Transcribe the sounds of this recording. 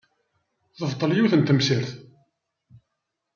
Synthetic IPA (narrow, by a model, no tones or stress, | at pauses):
ðəvt̪ˤːəljiwθənt̪əmsiɾθ